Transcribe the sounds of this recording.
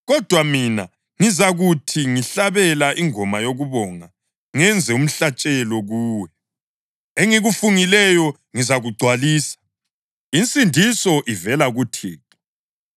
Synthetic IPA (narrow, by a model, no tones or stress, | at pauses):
ɣɔd̥ʱwamina | ŋizaɣutʰiŋiɬaβɛlaʔiŋʱɔmajoɣuβɔŋa | ŋɛnd͡zʱɛum̩ɬat͡ʃʼɛlɔɣuːwɛ | eŋiɣufuŋilɛjɔ | ŋizaɣuɡ͡ǀʱwaliːsḁ | int͡sʼindʱisɔʔivɛlaɣutʰiːkɔ